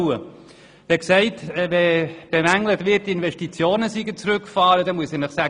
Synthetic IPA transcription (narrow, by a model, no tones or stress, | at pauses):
ə | ʋ̥ɛksɛɪtːvɛb̥emæŋlətvɪtːɪnvɛʃtit͡sjoːnəsiɡət͡sɾʉkːfɑːɾəd̥ɛmuəsinəχsæ